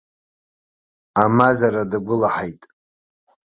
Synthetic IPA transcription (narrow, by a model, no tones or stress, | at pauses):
amazaɾadaɡʷʊlaħajtʼ